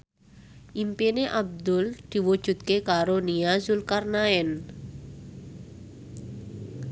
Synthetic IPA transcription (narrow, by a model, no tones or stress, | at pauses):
ʔimpineʔab̚d̪ʊld̪̥i̤wud̥ʒ̥ṳt̪̚kekaɾoniazulkarnaɛn